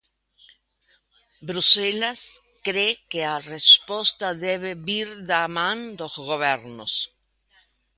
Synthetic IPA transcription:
bɾuselas | kɾekearespost̪aðeβeβiɾðamãnd̪ozɣoβeɾnos

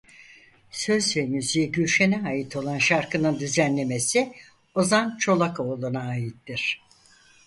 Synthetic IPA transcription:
sø̞zvɛmyzijiɟyɾʲʃenɛajit̪ʰo̞lˠanʃaɾkʰɯnɯnd̪yzænlʲe̞me̞si | ozant͡ʃʰo̞lˠakolˠunaːjit̪ːiɾ̝̥

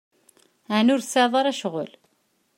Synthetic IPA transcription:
ʕnʊɾsəʕðˤɑɾˤæʃʁʊ̰l

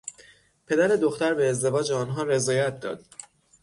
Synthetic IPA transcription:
pʰe̞d̪æɾed̪oxt̪æɾbeːzd̪e̞vɒːd͡ʒeɒːnɦɒːɾe̞zɒːjæt̪̚d̪ɒ̰ːd̪̥

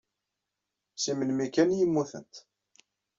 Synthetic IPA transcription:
simənmikænjimːuθə̰nt̪

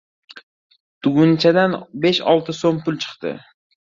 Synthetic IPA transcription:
t̪ʰʊɡʊnt͡ʃʰad̪anbeʃɒ̰lˠt̪ʰɨsompʰʊlˠt͡ʃʰɨ̥qt̪ɨ̰

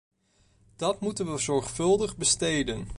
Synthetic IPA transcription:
d̥ɑtmutənʋəzɔɹχfɵlˠdəχbəstejdən

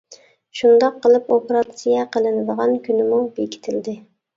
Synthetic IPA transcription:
ʃund̪ɑqʰːəlˠɪpopeɾɑt̪sijɛqʰəlˠɨnɨd̪əʁɑnkʲʰynɪmubekʲi̥t̪ʰɪld̪ɪ

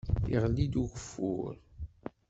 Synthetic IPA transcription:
ḭʁlːid̪uʝəfːṵɾ

